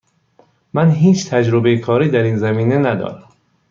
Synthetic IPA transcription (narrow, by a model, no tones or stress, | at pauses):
mænɦiːt͡ʃʰt̪ʰæd͡ʒɾobejekʰɒːɾiːd̪æɾiːnzæmiːne̞næd̪ɒ̰ːɾæm